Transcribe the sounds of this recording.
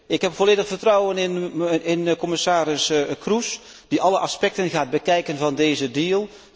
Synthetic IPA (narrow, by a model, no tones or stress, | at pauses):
ɪkɦɛpfoleːdəχfərtrɔwənɪnɪnkɔmɪsaːɾɪskrus | d̥iʔɑləʔɑspɛk̚tənɣaːd̚bəkɛjkənvɑndeːzədiəlˠ